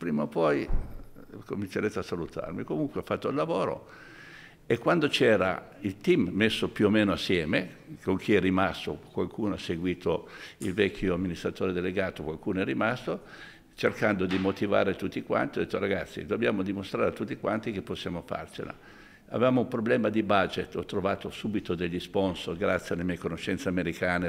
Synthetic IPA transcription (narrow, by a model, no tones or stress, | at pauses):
pɾiːmaopɔj | komint͡ʃeɾet̪easalut̪ʰa̰rmikomuŋkweafat̪ːoilːavoːɾo̰ | ekːwand̪ot͡ʃɛːɾa̰ | ilt̪imːesːopjuomeːnoasːjɛːmekoŋk̟ʰiɛrːimast̪o̰kwalkuːnoasːeɡwiːt̪oilvɛkʰʲːjoamːinist̪ɾat̪oːɾed̪eleɡaːt̪okwalkuːnoɛrːimast̪o | t͡ʃerkand̪od̪imot̪iva̰ːɾet̪ut̪ːikwa̰nt̪iɔd̪et̪ːoɾaɡat̪sːḭd̪objaːmod̪imost̪ɾaːɾet̪ut̪ːikwant̪ikepːosːjaːmofa̰rt͡ʃḛla̰ | a̰vevaːmoumpɾoblɛːmad̪ibad͡ʒet̪ːɔt̪ːɾovaːt̪osuːbit̪od̪eʎːisponsorɡɾat̪sːjealemɛːekonoʃːɛnt̪seameɾikaːne